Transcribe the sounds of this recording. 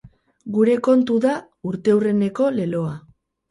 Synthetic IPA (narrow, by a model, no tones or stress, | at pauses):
ɡuɾe̞ko̞nt̪uða | uɾt̪e̞ure̞ne̞ko̞le̞lo̞a